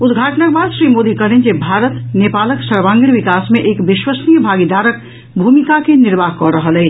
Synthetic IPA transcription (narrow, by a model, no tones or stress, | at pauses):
ud̪ɡʱaʈnakebad̪sɾimod̪ikəɾend͡ʒebʱaɾət̪nepaləksəɾʋãŋɡiɾbikasmeʔekbiʃwəsnijəbʱaɡid̪aɾək̚ | bʱumikakeniɾbaɦkɔɾəɦəlɛ